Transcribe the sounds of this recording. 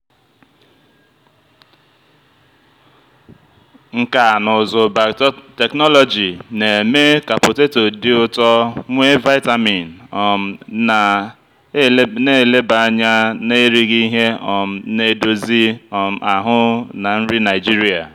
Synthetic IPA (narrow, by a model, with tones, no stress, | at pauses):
ŋ̩˨ka˨nʊ˨zʊ˨ba˨te˨knɔ˦lɔ˨d͡ʒi˨ne˨me˦ka˨pʊ˨te˦to˨dɪ˦ʊ˦tɔ˦ŋʷe˦va˦ɪ˦ta˦mi˨n˨ɔ˨m̩˨na˨˦ | ne˦˨le˦ba˨a˦ɲa˦ne˦ɾi˦ɣi˦ɦe˦ɔ˨m̩˨ne˨do˦zi˦ɔ˨m̩˨a˨ɦʊ˦na˨n̩˦ɾi˦na˨ɪ˨d͡ʒi˦ɾi˦a˨